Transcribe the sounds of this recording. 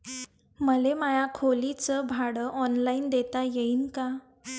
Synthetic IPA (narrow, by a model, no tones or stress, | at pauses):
məlemajakʰolit͡səbʱaɽəʔɔnlaind̪et̪ajeinka